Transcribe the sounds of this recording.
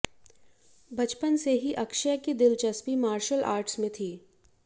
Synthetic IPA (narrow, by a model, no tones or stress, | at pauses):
bɐt͡ʃpənseɦiʔɐkʃəkid̪ɪlt͡ʃɐspimaːɾʃəlʔa̰ːɾʈsmẽt̪ʰiː